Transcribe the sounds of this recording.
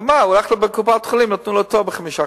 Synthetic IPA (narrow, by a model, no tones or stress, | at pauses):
maulaχlobekupat̪χulimnat̪nulot̪ovbəχamiʃa